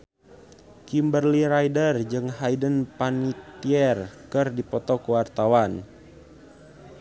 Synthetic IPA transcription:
kimbərliɾajdərd͡ʒɨŋɦajdənpanit̪iɛrkɨrdipɔt̪ɔkuwart̪awan

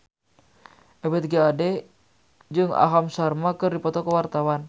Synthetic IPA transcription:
ʔɛbɛt̪̚ɡaadɛ | d͡ʒɨŋa̰ɦamsarmakɨrdipɔt̪ɔkəwart̪awan

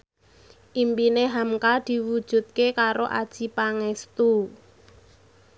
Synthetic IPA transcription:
ʔimpineɦamkad̪̥i̤wud̥ʒ̥ṳt̪̚kekaɾoʔad̥ʒ̥ipaŋɛst̪u

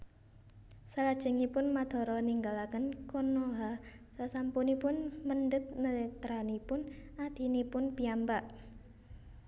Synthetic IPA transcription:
salad̥ʒ̥ə̤ŋipʊnmad̪̥ɔ̤ɾɔniŋɡalakənkonoɦasasampunipʊnməndət̪̚nət̪ɾanipʊnad̪̥i̤nipʊnpiambaʔ

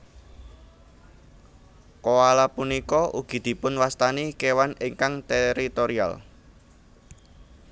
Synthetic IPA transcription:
koalapunikɔʔuɡ̥i̤d̪̥i̤pʊnwast̪anikewanɪŋkaŋt̪eɾit̪oɾia̰l

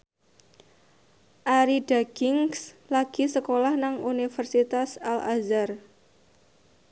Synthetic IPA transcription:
ʔaɾidaɡɪŋslaɡ̥isəkolahnaŋunifərsit̪asala̰zar

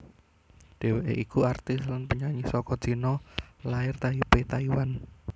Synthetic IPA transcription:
d̥e̤weʔḛʔikuart̪ɪslanpəɲaɲisɔkɔd̥ʒ̥i̤nɔlaɪrt̪aipet̪aiwan

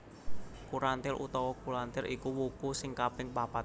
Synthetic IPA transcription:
kuɾant̪ɪɾʔṵt̪ɔwɔkuɾant̪ɪɾʔikuwukusɪŋkapɪŋpapat̪

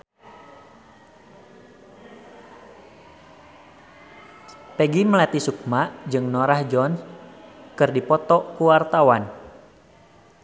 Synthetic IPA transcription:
pɛɡiməlat̪isuk̚maʔd͡ʒɨŋnɔɾahd͡ʒɔn | kɨrdipɔt̪ɔʔkuwart̪awan

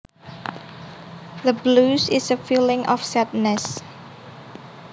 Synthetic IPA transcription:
ðəblusɪsəfilɪŋʔɔfsɛd̪̚nɛs

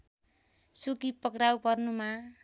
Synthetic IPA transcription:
sukipʌkrawpʌrnuma

